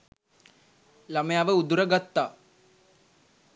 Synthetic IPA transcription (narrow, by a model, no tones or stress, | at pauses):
laməjaːʋəud̪uɾəɡat̪ːaː